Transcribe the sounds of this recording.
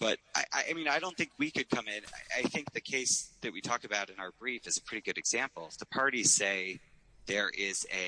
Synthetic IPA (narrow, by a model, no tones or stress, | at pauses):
b̥ʌɾ̚a̰ɪʔa̰ɪʔaɪmĩnaɪɾõʊ̃nθɪ̃ŋkwikɨd̚kʰʌ̃mɪ̃na̰ɪʔa̰ɪθɪ̃ŋk̚ðɨkʰeɪsðɨt̚witʰɔkɨbaʊɾɨ̃naʊə˞bɹifɨzɨpʰɹ̥ɪɾiɡʊɾɨɡz̥æ̃mpl̩ˠðəpʰɑɹɾi̥seɪ | ðə˞ʔɪzɨ